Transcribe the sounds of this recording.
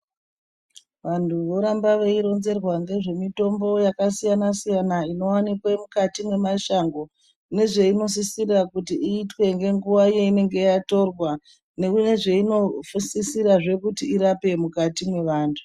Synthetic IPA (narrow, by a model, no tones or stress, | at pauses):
ʋantʰuʋo̞ɾambaʋeiɾo̞nze̞rwaŋɡe̞ʐe̞mito̞mbo̞jakasijanasijanaino̞wanikwemukatimwe̞maʃaŋɡo̞ | ne̞ʐe̞ino̞s̬isirakutiʔiːtwe̞ŋɡe̞ŋɡuʋaje̞ine̞ŋɡe̞ato̞rwa | ne̞kune̞ʐe̞ino̞fusisiɾaʐe̞kutiiɾape̞mukatimwe̞ʋaːntʰu̥